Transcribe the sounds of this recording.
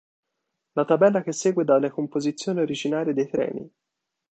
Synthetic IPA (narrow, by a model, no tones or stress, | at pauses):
lat̪abɛlːak̟esːeːɡwed̪alːekompozit̪sːjoːnioɾid͡ʒinaːɾid̪ejt̪ɾɛ̰ːnḭ